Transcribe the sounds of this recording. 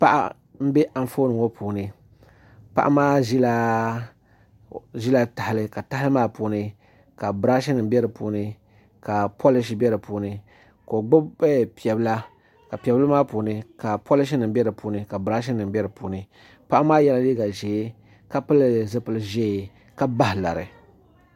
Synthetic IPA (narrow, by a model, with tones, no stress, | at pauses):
pa˦ʔa̰˦ | m̩˦be˦ʔa˨ɱ˨foː˦nɨ˨ŋo˦pʰuː˨nɨ˦ | pa̰˦ʔa̰˦maː˦ʒi˦la˦ | ʒi˦la˦ta˨hɪ˨lɨ˦ka˨ta˦hɪ˦lɨ˦maː˦puː˨nɨ˦ | ka˨bɾa˦ʃ̬i˦nɨ˨m˦bʲɛ˦ɾɨ˨puː˦nɨ˦ | ka˨pʰo˦lɪ˦ʃ̬i˦bɛ˦ɾɨ˨puː˨˦nɨ˨ | ko˨ɡ͡bʊ˦bbɛ˦˨pi˨ɛ˨bɨ˦la˦ | ka˨pi˨ɛ˨blɨ˦maː˦puː˨nɨ˦ka˨pʰo˦lɪ˦ʃ̬i˦nɨ˨m˦bɛ˦ɾɨ˨puː˨˦nɨ˦ka˨bɾa˦ʃ̬i˦nɨ˨m˦bʲɛ˦ɾɨ˨puː˨nɨ˨ | pa˦ʔa˦maː˦jɛ˦la˦liː˦ɡa˨ʒe˨˦ | ka˦pɨ˦lzɨ˦pɨ˦lɨ˦ʒe˦˨ | ka˦ba˦hɪ˨la̰˨ɾɨ̰˨